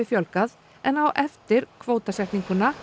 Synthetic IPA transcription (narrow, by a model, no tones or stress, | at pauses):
ɪfjɔlkað | ɛnawʔɛft̪ɪɾ̥kʰvoːwt̪asɛt̪niŋkʏna